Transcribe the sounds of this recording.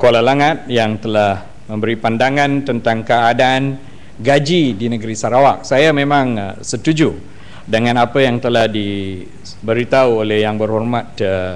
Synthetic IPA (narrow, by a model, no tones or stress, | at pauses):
koalalaŋat̪̚jaŋt̪əlah | mə̃mbəɾipandaŋãnt̪ənt̪aŋkaːdaan | ɡad͡ʒidinəɡəɾisaɾawak̚sajamẽmãŋsət̪ud͡ʒu | dəŋãnapəjaŋt̪əlahdi | bəɾit̪auolɛhjaŋbərhɔrmat̪